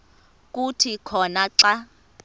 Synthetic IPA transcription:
k̬ʼutʰikʰɔnaǀa

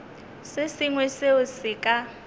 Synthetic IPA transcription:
sɪsɪŋwɛseʊsɪkʼa

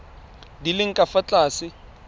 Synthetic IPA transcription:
dilɪŋ̩kʼafat͡ɬʼaːsɪ

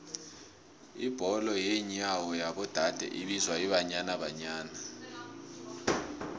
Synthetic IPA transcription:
ib̥ʱɔlɔjeɲawɔjaɓɔd̥ʱad̥ʱɛ̰ʔiɓizwaiβaɲanaβaɲaːna

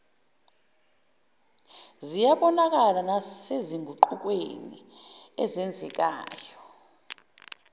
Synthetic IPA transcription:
zijaɓɔnak̬alanaseziŋɡʱuǃuk̬ʼwḛnḭɛzɛnd͡zʱɛk̬ʼaːjɔ

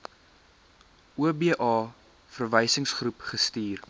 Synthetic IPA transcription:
uəbiːʔɑː | fərvəjsəŋsχrupχəstiːr

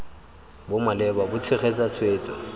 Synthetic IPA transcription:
bʊmalɛbabʊt͡sʰɪχet͡sʼat͡sʰweːt͡sʼɔ̰

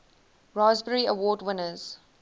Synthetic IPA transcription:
ɹɔːzbəɹiəwɔːdwɪ̃nəz̥

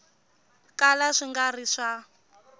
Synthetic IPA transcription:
kalaʂiŋɡariʂa

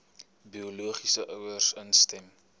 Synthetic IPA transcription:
bioluəχisəʔœwərsənstɛm

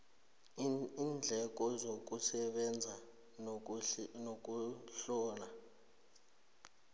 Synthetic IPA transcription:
ind͡ɮʱɛk̬ʼɔzok̬ʼusɛɓɛnd͡zʱa | nok̬ʼuɬɔːla

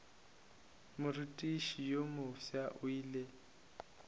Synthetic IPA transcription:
mʊritʼiʃijomʊfiaʔʊiːle

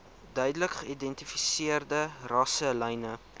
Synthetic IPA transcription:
dœɥdələkχəidɛntifisiərdərɐsəlɛjnə

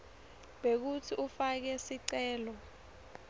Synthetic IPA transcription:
ɓek̬utʰiʔufak̬ɛsiǀɛːlɔ

